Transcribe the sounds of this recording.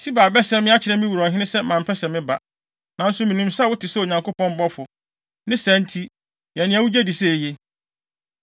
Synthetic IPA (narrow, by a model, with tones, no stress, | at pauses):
sʰi˦baː˨bɛ˦sɛ̃˦mɪ̃˦a˦t͡ɕʰɪ˨ɾɛ̃˦mĩ˦wu˨ɾɔ̃˨ɦɪ̃˦ɪ̃˦sɛ˦mã˨m̩˨pʰɛ˦sɛ˨mɪ̃˦ba˨ | nã˨˦n̩˦sʊ˦mĩ˨nũ˨msa˦˨wʊ˦tʰɪ˨sɛ˦o˨ɲã˨ŋkʰo˦pɔ̃˦m˦bɔ˦fʊ˨ | nɪ̃˦sæ̃˨˦n˦tʰi˦ | jɛ˨nɪ̃˦æ˨wu˦d͡ʑæ˦di˨sɛ˦˨je˦